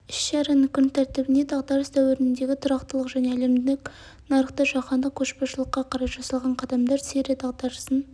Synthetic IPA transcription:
ɪʃʃɑɾenɪkʲʰʏnt̪ʰæɾt̪ɪbɪnd̪ed̪ɑʁd̪ɑɾəst̪ʰæwɪɾɪnɪnd̪e̞ɡʲɪt̪ʰʊɾɑqt̪əlˠəqʒæne̞æle̞md̪ɪkʲ | nɑɾəχt̪əʒɑqɑnd̪əkʲʰɵʃbɑʃəlˠəqːɑqʰɑɾɑpʒ̥ɑsɑlˠʁɑɴqʰɑd̪ɑmd̪ɑɾseɾed̪ɑʁd̪ɑɾəsən

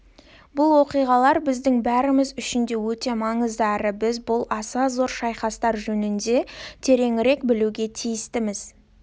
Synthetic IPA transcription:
bʊlˠwo̞qijʁɑlˠɑɾbɪzd̪ɪŋbæɾɪmɪzʏʃɪnd̪e̞wɵt̪e̞mɑɴəzd̪əɑɾəbɪzbʊlˠɑsɑzo̞ɾʃɑjχɑst̪ɑɾʒɵnɪnd̪e̞t̪ʰe̞ɾe̞ŋɪɾe̞kbɪluɡʲe̞t̪ʰijɪst̪ɪmɪz̥

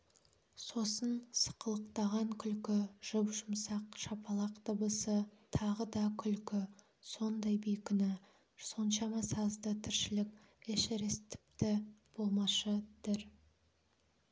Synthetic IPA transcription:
so̞sənsə̥qəlˠəqt̪ɑʁɑŋkʲʰʏlkʲɪʒ̥ʊpʒʊmsɑqʃɑpʰɑlˠɑqt̪ʰəbəsət̪ʰɑʁəd̪ɑkʲʰʏlkʲɪ | so̞nd̪ɑjbijkʲɪnɪ | so̞nʃɑmɑsɑzd̪ət̪ʰɪɾʃɪlɪkʲ | eʃeɾest̪ʰɪ̥pt̪ɪb̥o̞lˠmɑʃəd̪̥ɪɾ

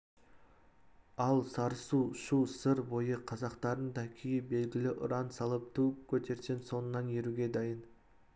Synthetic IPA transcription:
ɑlˠsɑɾsuʃusəɾbo̞jəqʰɑzɑqt̪ɑɾənd̪ɑkʲʰijɪbe̞lɡʲɪlɪʔʊ̰ɾɑnsɑlˠəp̚t̪ʰukʲʰɵt̪ʰe̞ɾsenso̞nənːɑnjeɾuɡʲe̞d̪ɑjən

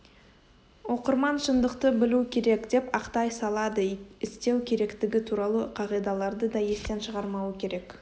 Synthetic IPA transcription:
wo̞qəɾmɑnʃənd̪əqt̪əbɪlukʲʰe̞ɾe̞kd̪e̞pɑqt̪ɑjsɑlˠɑd̪əɪst̪e̞wkʲʰe̞ɾe̞kt̪ɪɡʲɪt̪ʰuɾɑlˠəqʰɑʁijd̪ɑlˠɑɾd̪əd̪ɑje̞st̪e̞nʃəʁɑɾmɑwəkʲʰe̞ɾe̞k

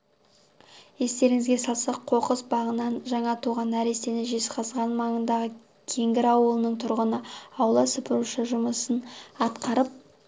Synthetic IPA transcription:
je̞st̪e̞ɾɪŋɪzɡʲe̞sɑlˠsɑqʰo̞qəsbɑʁənɑnʒɑɴɑt̪ʰuʁɑnæɾe̞st̪e̞nɪʒesqʰɑzʁɑnmɑɴənd̪ɑʁə | kʲʰe̞ŋɡʲɪɾɑwəlˠənəɴt̪ʰʊɾʁənəɑwlˠɑsʊpəɾuʃəʒʊməsənɑt̪qɑɾəp̚

